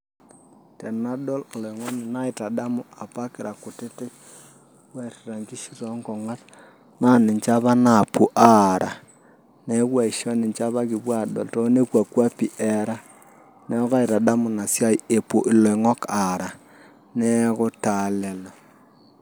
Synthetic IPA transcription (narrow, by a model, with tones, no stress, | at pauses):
tɛ˨na˦ɗɔ˦llɔ˨i˨ŋɔ˦ni˨na˦i˨ta˨ɗa˦mʊ˨a˨pa˦kɪ˨ɾa˨kʊ˨tɪ˦te˦k | wɛ˦ti˨ɾa˨ŋd͡ʒi˦ʃi˦ɾɔ˦ŋɡɔ˨ŋa˦t | na˦nɪ˨ɲt͡ʃa˦βa˦na˨pu˨ʔa˦ɾʔa˨ | ne˦kwa˨i˨ʃɔ˦nɪ˨ɲt͡ʃa˦βa˦ki˨bwa˦˨ɗɔ̰˨lto˦ne˦kwa˨kwa˦pi˨ʔɛ˨ɾa˦ | nɛ˦ɔ˦ka˦i˨ta˨da˦mʊ˨na˨sja˦i˦e˨po˨ʔɪ˨lɔ˨i˨ŋɔ˦ka˨ɾa˨ | nɛ˦kɔ˦ta˨lɛ˨lɔ˨